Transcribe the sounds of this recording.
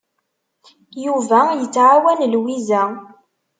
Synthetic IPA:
juvæjət͡sːʕawænlwizæ

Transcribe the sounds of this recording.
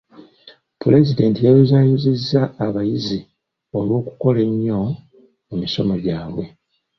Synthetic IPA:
pule̞zide̞ːntijajezaːjuzizːaːβajizi | o̞lwo̞ːku̥ko̞le̞ɲːo̞ | mumiso̞mo̞ɟaːβwe̞

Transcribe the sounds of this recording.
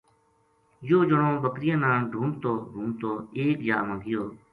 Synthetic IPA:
joːd͡ʒəɳõːbəkɾɪjãːnãːɖʱũːɳt̪oːɾuːɳt̪oːeːkd͡ʒaːmãːɡɪjoː

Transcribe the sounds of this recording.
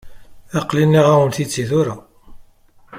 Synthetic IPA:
ɑqlinːiʁæwənθit͡sːiθʊɾa

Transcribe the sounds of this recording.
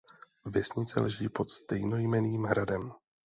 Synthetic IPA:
vjɛsɲɪt͡sɛ̰lɛʒiːpo̞t̪st̪ɛjno̞jmɛniːmɦɾadɛm

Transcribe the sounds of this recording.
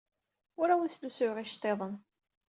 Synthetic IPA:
ʊɾawənsd̪usʊʁiʃt̪ˤːeðˤən

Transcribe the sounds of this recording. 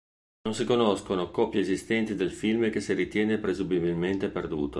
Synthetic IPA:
nonsikonoskonokɔpjaezist̪ɛnt̪id̪elfilmkesiɾit̪jɛːnepɾezubibilment̪eperd̪ṵːt̪o

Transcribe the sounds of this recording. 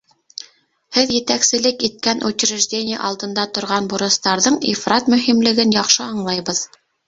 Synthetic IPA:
hɘðjɘ̆t̪æksɘ̆lɘkit̪̚kænʔut͡ɕ̆ɾɘ̆ʒdʲenʲɪjə̰ʔɑlˠd̪ɤ̆nd̪ɑt̪ŏɾʁɑnbuɾɤ̆st̪ɑɾðɤɴḭfrat̪mɵ̆himlɘ̆ɡɘnjɑχʃɤɑɴlˠɑjβɤð

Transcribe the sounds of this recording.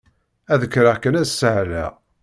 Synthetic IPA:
æðəkːɾaʁkːənæsːəʕlæ̰

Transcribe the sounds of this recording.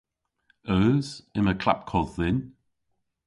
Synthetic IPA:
əːz̥ɪməkʰl̥a̰p̚kʰɔðɪn

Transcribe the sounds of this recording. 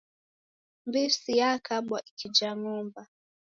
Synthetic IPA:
mbisijakʰaɓwaʔikʰid͡ʒaŋumba

